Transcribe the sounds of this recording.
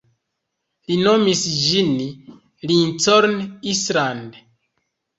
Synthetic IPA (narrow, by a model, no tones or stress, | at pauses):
linomisd͡ʒin | lint͡soɾnisland